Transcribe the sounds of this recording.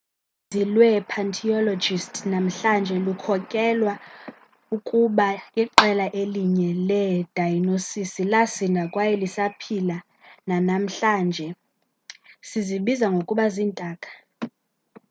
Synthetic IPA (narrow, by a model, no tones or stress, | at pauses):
zilwɛpʰantʰiɔlɔd͡ʒistʼʰnam̩ɬand͡ʒʱɛlukʰɔkʼɛlwa | ukʼuɓaiǃɛlaʔeliɲɛlɛd̥ʱajnosisilasindʱakʼwajɛlisapʰila | nanam̩ɬaːnd͡ʒʱɛ | siziɓizaŋɡʱokʼuɓaziːntʼaːkʼḁ